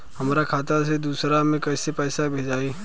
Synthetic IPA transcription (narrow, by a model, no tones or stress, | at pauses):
hɐmːɾakʰaːt̪as̬ed̪uːsɾamẽkɛːsepɛːsabʱeːd͡ʒaːiː